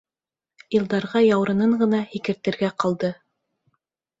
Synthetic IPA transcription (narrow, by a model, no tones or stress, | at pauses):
jɤ̆lˠd̪ɑɾʁɑjɑwɾɤ̆nɤɴɢɤ̆nɑhikɘ̆ɾt̪ɘ̆ɾɡæqɑlˠd̪ɤ